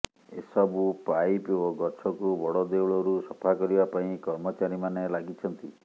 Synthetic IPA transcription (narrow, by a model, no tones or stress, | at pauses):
esɔbupajpoɡɔt͡ʃʰɔkubɔɽɔd̪euɭɔɾusɔpʰakɔɾibapaĩkɔɾmɔt͡ʃaɾimanelaɡit͡ʃʰɔnt̪i